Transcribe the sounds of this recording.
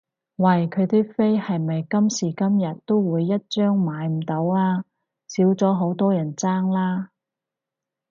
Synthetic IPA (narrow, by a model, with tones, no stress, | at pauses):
wɐ˨˩jkʰɵ˨˧ɥt̪iː˥k̚fe˥jhɐ˨jmɐ˨jkɐ˥msiː˨˩kɐ˥mjɐ˨t̚t̪o˥wwuː˨˧jːɐ˥t̚t͡ʃœː˥ŋmaː˨˧jm̩˨˩t̪o˨˥waː˥ | siː˨˥wt͡sɔː˨˥ɦo˨˧˥wt̪ɔː˥jɐ˨˩nt͡saː˥ŋlaː˥